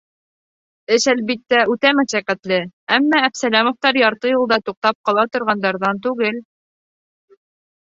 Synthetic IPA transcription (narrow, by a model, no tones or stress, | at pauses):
ɘʃælβit̪ːæʉt̪æmæʃæqæt̪lɘæmːæːpsælæmŏft̪ɑɾjɑɾt̪ɤjɤ̆lˠd̪ɑt̪uq̚t̪ɑp̚qɑlˠɑt̪ŏɾʁɑnd̪ɑɾðɑnt̪ʉɡɘl